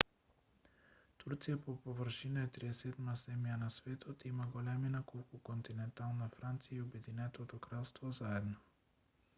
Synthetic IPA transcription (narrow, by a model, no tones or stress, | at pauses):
t̪uɾt̪sijapopovəɾʃinaɛt̪ɾiɛsɛd̪mazɛmjanasvɛt̪ʰot̪imaɡolɛminakolˠkukont̪inɛnt̪alˠnafɾant̪sijaiobɛd̪inɛt̪ot̪okɾalˠst̪vozaɛd̪no